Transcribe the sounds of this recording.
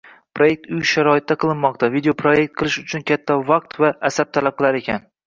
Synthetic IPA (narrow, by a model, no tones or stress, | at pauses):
pɾo̞je̞k̚ʲt̪ʊjʃaɾɒɪt̪̚ːaqʰɨlˠɪnmɒq̚t̪ʰavid̪eopʰɾoje̞k̚ʲt̪̚qʰɨlˠɪʃʊt͡ʃʰʊnkʲʰat̪ʰːavɑq̚t̪vaːsab̚t̪ʰalap̚qɨlˠaɾe̞kʲʰan